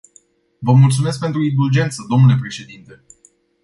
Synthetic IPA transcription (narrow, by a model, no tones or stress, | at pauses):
vəmult̪sumes̬k̚pe̞nt̪ɾuid̪uld͡ʒe̞nt̪səd̪o̞mnule̞pɾe̞ʃe̞d̪int̪e̞